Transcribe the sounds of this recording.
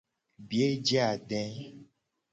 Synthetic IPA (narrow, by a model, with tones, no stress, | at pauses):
bi˨e˦d͡ʒe˦a˨ɖɛ̃˦